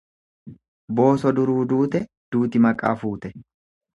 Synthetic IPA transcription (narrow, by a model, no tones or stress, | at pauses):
bo̞ːsɔd̪ʊɾuːd̪uːt̪ɛ | d̪uːt̪ɪmɐkʼːa̰ːfuːt̪ɛ